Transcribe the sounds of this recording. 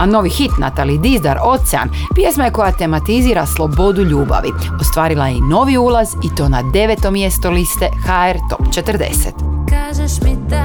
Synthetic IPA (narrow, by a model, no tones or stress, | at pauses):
ano̞ʋixit̪na̰t̪alid̪izd̪aɾo̞t̪sɛa̰n | pje̞smaje̞ko̞jat̪e̞mat̪iziːɾaslˠo̞bo̞d̪uʎuːba̰ʋḭ | o̞st̪ʋaːɾilˠajeino̞ʋiuːlˠazit̪o̞ːnad̪e̞ʋet̪o̞mje̞st̪olist̪e̞xaeɾt̪o̞pt͡ʃet̪rd̪e̞̰set̪kaʒeʃmi